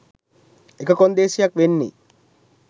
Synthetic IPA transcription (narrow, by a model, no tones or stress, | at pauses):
ekəkond̪eːsijɐkʋenːḭː